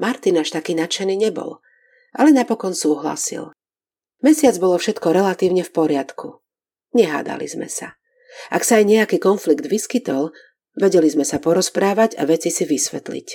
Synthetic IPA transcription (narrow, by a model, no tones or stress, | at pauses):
maɾt̪inaʃt̪akiːnat͡ʃɛniːɲɛbɔ̰l | ʔa̰lɛnapɔkɔnsuːɦla̰sḭl | mɛsɪad͡zbɔlɔfʃɛt̪kɔɾɛlat̪iːʊɲɛfpɔɾɪat̪kʰu | ɲɛɦa̰ːd̪a̰lḭzmɛ̰sa | ʔaksaːjɲɛakiːkɔnfliɡd̪ʋiskit̪ɔl | ʋɛɟɛlizmɛsapɔɾɔspɾaːʋaɟa̰ʋɛt͡sisiʋisʋɛt̪lḭc